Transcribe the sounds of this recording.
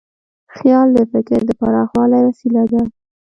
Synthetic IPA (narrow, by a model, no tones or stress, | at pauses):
xjɑld̪əfɪkɪɾd̪əpaɾɑxwɑlajwasilad̪a